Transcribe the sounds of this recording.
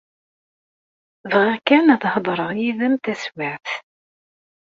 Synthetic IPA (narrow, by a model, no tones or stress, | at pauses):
vʁækænæðhd̪ˤɾˤəʁjiðæmt̪æswaʕθ